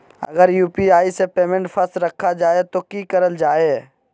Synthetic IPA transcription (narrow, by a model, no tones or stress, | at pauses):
ɐ̰ɡəɾjuːpiaːisepeːmẽɳʈfʰɐstɾɐkʰːad͡ʒaːet̪okiːkəɾəld͡ʒaːeː